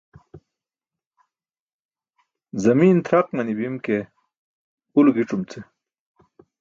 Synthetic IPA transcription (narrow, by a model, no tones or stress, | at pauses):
zɐmiːnt̪ʰɾaq̚mɐnibimke | ulɡiʈ͡ʂumt͡sʰe